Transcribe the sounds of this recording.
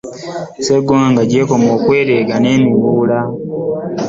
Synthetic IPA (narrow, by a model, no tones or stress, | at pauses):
seɡwaːŋɡaɟekomoːkwe̞ːɾeɡane̞ːmiβuːla